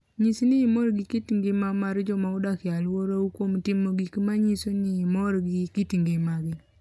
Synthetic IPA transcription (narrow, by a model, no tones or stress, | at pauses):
ɲisnɪːmɔɾɡɪkitiŋɡemamaɾd͡ʒɔmaʊdakɪalwoɾoukwomtɪmoɡikmaɲisonɪːmɔɾɡɪkitiŋɡemaɡɪ